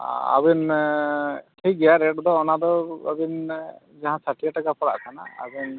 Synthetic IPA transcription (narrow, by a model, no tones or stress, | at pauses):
a̰bin | ʈʰiɡɛjaɾɛʈɔd̪ɔːnad̪ɔə̰bin | d͡ʒaɦãsaʈʰiaʈakapɔɽa̰ʔkʰana̰ə̰bin